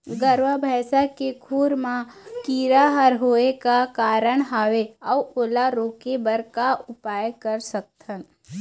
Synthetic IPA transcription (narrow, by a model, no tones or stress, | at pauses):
ɡəɾʋabʱɛːsakekʰuːɾmãkiːɾaɦəɾɦoːekakaːɾəɽ̃ɦaːʋeɔːoːlaɾoːkebəɾkaʊpaːjkəɾsək̚t̪ʰən